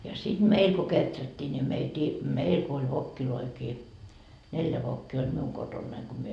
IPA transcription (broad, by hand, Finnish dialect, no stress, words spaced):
jɑ sid̥ meil ko ketrætːiː ni meitiː meil ko olʲ ʋokːiloikiː neljæ ʋokːiː olʲ miuŋ kotonːɑiŋ ko myø